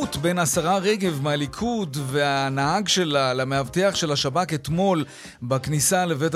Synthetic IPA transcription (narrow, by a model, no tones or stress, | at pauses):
utbe̞jnasaʁaʁeɡe̞vmealikʰudveanaɦaɡʃe̞lalameavte̞aχʃe̞laʃabatet̪mo̞l | baknisale̞ve̞t